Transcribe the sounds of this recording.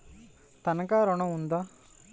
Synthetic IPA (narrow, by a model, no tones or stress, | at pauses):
t̪ɐnɐkaːɾoɳɐ̃und̪a